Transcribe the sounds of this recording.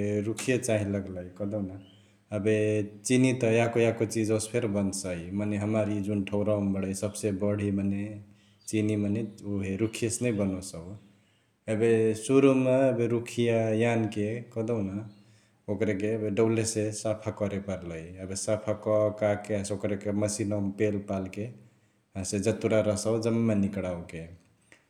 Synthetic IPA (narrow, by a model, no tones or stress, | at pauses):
eɾukʰijet͡ʃaɦĩləɡləjkəd̪ɔwna | əbet͡ʃinit̪əjakojakot͡ʃid͡ʒospʰeɾbənsəjmaneɦəmaɾid͡ʒunʈʰəʊɾambəɽəjsəbsebəɽ̤ʱimane | t͡ʃinimaneuɦeɾukʰiesnəjbənosəu | əbesuɾumeːbeɾukʰijajankekɔd̪oʊna | okɾekebeɖəwlesesapʰakɔɾepəɾləjəbesapʰakɔkakeãsokɾekeməsinɔmpelpalke | ɦãsed͡ʒət̪uɾaɾəsawd͡ʒəmːenikɽawke